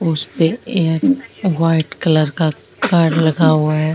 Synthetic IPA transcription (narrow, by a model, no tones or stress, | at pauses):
ʊspeeːkʋaːɪʈkɐləɾka | kaːɾɖlɐɡaɦuaɦɛ